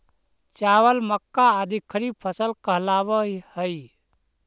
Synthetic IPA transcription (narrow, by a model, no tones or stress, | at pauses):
t͡ʃawəlməkːaəd̪ikʰːɾipʰəsəlkəɦlabəɦihəj